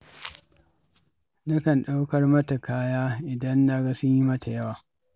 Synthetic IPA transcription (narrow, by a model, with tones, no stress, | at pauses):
nɐ˦kɐ˨nɗa˦wkɐ˦rmɐ˦ta˨kaː˦jaː˦ʔɪ˨dɐ˦nːa˦ɡa˦sʊ˦ɲji˦mɐ˦ta˨jɐ˦waː˨